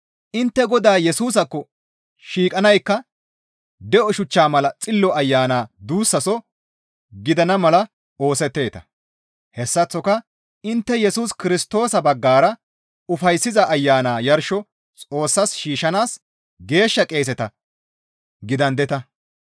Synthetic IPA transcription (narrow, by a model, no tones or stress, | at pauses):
ʔɪnt̪ːɛɡɔd̪aːjɛsuːs̬ɐkːɔ | ʃiːkʼɐnɐjkːɐ | d̪ɛʔɔʃʊt͡ʃːaːmɐlɐt͡sʼɪlːɔɐjːaːnaːd̪uːsːɐsɔ | ɡɪd̪ɐnɐmɐlɐ | o̞ːsɛt̪ːe̞ːt̪ɐ̥̰ | hɛsːɐt͡sːɔkɐ | ɪnt̪ːɛjɛsuːskɪɾɪst̪o̞ːsɐbɐɡːaːɾɐ | ʊfɐjsːɪzɐʔːjːaːnaːjɐɾʃɔ | t͡sʼo̞ːsːɐsʃiːʃɐnaːs | ɡe̞ːʃːɐkʼe̞ːs̬ɛt̪ɐ | ɡɪd̪ɐnd̪ɛt̪ɐ